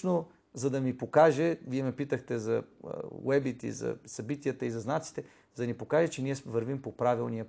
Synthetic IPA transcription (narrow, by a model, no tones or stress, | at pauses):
no | zɐd̪ɐmipokaʒɛviɛmɛpit̪əxt̪ɛzɐ̰wɛbit̪ḭzɐ̰sɐbit̪iət̪əizɐznat̪si̥t̪ɛ | zɐd̪nipokaʒɛt͡ʃɛniɛvəɾvimpopɾavilˠnijə